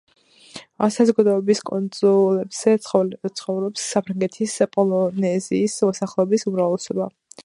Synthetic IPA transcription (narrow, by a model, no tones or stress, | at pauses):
amsazɔɡad̪ɔɛbiskʼɔnzʼɔlɛbz̥ɛt̪sʰχɔvɾɔpsːapʰɾaŋɡɛt̪ʰispʼɔlˠɔnɛziːsmɔsaχlˠɛɔbisumɾavlɛsɔba